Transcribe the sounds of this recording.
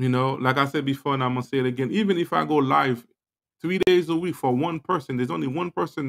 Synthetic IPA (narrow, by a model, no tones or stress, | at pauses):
jɨnoʊlaɪkaɪsɛd̚bɨfɔɹɨ̃naɪmʌstseɪɨɾɨɡɛ̃nivɨ̃nɨfaɪɡoʊlaɪv̥ | θɹiɾeɪzəwikfəwʌ̃npʰɜ˞sɨ̃n̩ðə˞zõʊ̃nliwʌ̃npʰɜ˞sɨ̃n